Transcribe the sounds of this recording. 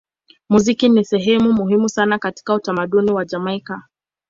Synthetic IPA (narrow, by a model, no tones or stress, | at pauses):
muzikinisɛɦɛmumuɦimusanakati̥kautamaɗuniwad͡ʒamaika